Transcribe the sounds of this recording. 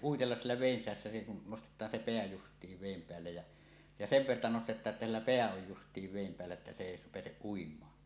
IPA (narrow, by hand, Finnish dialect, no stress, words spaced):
ʔuitelːɑs sielːæ ʋeˑin sisæsːæ se kun nostetˑɑːn se peæ justˑiːʋ ʋeˑim peælːej jæ jɑ seʋ ʋertɑ nostetˑɑːʔ ʔetːæ silːæ peæ oj justˑiːʋ ʋeˑim peælːæ etːæ se eˑi peæseʔ ʔuimˑɑː